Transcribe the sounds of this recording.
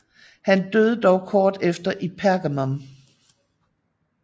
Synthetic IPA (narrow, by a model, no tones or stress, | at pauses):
hænd̥øð̞ˠəd̥ɒʊkʰɒːd̥efd̥ɐʔipʰæɐɡ̥æmam